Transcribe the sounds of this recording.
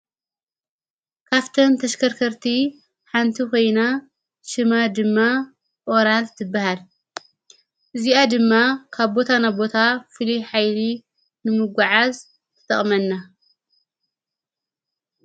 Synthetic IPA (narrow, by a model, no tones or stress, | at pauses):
kʰaft̪ʰɐnt̪ʰɐʃkʰɐɾkʰɐɾt̪ʰi | ħant̪ʰiko̞jna | ʃɨmad̪ɨmːa | ʔo̞ɾalt̪ʰɨbːahal | ʔɨziad̪ɨmːakʰaβbo̞t̪ʰanabo̞t̪ʰafɨliħajli | nɨmɨɡʷaʕaz | t̪ʰɨ̥t̪ʰɐχʼmɐnːa